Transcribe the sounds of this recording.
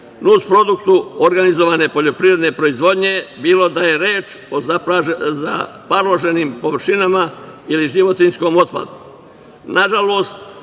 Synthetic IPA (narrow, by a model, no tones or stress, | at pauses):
nuspɾo̞d̪ukt̪uoɾɡanizo̞ʋane̞po̞ʎo̞pɾiʋɾe̞d̪ne̞pɾo̞izʋo̞d̪ɲe̞biːlˠo̞d̪aje̞ɾe̞ːt͡ʃoaaza̰paɾloʒe̞niːmpo̞ʋr̩ʃinamailiʒiʋo̞t̪insko̞ːmo̞t̪pa̰d̪u | naʒalo̞ːst̪